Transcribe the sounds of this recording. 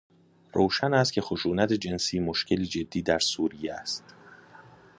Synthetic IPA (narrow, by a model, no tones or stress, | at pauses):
ɾoːʃænæst̪̚cʰʲe̞xoʃuːnæt̪ʰed͡ʒe̞nsiːmo̞ʃcʰe̞liːd͡ʒe̞d̪ːiːd̪æɾsuːɾijeæst̪